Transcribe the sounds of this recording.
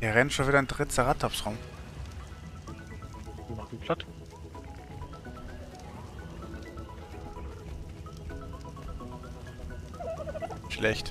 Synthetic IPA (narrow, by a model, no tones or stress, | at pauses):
iːɐʁɛnʃoːnviːdandʁɪtt͡saʁatʰɔfsʁaʊm | maχn̩pʰl̥at | ʃlɛçt